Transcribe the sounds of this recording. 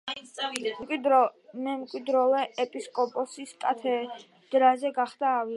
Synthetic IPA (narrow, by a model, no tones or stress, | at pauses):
kʼwid̪ɾɔmɛmkʼwid̪ɾɔlɛʔɛpʼiskʼɔpʼɔsiskʼat̪ʰɛ | d̪̥ɾazɛɡaχd̪aːvi